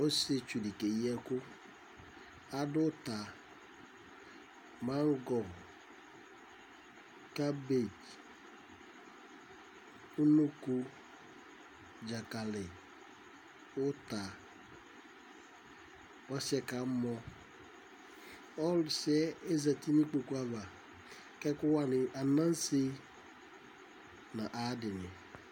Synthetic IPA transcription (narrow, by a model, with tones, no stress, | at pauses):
o˦se˦t͡ʃu˨li˨ke˨˦ɛ˦kʊ˦ | a˦dʊ˦ta˨ | ma˦ŋ̩˦ɡɔ˨ɣ | ka˦be˦˨t | u˦no˦ku˦ | d͡ʒa˨ka˨le˨ | ʊ˦ta˨ | ɔ˦sɪ˦ɛ˨ka˨˦mɔ˦ | ɔ˦lʊ˨sɪ˦ɛ˦e˦za˨ti˦nĩ˦k͡po˨ku˦a˦va˨ | kɛ˦kʊ˦wa˦nɪ˨ʔa˨nã˦n˦se˦ | nã˨ʔa˨˦dɪ˨nɪ˨